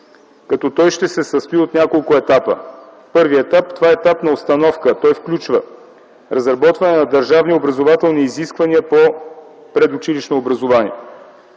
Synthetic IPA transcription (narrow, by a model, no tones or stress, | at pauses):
kɐt̪ɔt̪ɔjʃt̪ɛsɛsɐspiot̪nʲakolˠkʊɛt̪apə̰ | pɤɾviɛt̪apt̪ovaɛɛt̪apnɐost̪ɐnɔfkət̪ɔjfklʲut͡ʃvə̰ | ɾɐzɾɐbɔt̪vɐnɛnɐd̪ɐɾʒavniobɾɐzovat̪ɛlˠniːziskvɐniəpo | pɾɛd̪ʊt͡ʃiliʃnoːbɾɐzovanḭə